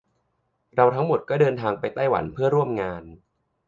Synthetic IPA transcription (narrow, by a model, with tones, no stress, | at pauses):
ɾa˧wt̪ʰa˦˥ŋmo˨˩t̪̚kɔː˥˩dɤː˧nt̪ʰaː˧ŋpa˧jt̪aː˥˩jwa̰˩˦npʰɯ˥˩ɐɾu˥˩əmŋaː˧n